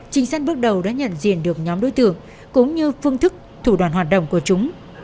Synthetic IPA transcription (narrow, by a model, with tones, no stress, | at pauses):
t͡ɕï˨˦ŋ̟saː˧nɓɨ˦˥ək̚ɗə˨˩wɗa̰ː˧˥ɲə̰˧˨nzḭ˧˨ənɗɨ˨˩ək̚ɲɔ˨˦mɗo˨˦jt̪ɨ̰˧˨əŋ | kʊ̰˧˥ŋ͡mɲɨ˧fɨ˧əŋt̪ʰɨ˦˥k̚t̪ʰu˧˩ɗwaː˧˩nɦwaː˨˩t̚ɗə̰˧˨wŋ͡mku˧˩ət͡ɕʊ˨˦ŋ͡m